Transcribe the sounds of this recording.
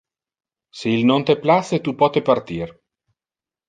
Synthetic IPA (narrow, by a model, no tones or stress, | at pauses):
seilnont̪epːlaset̪upːɔt̪epart̪iːr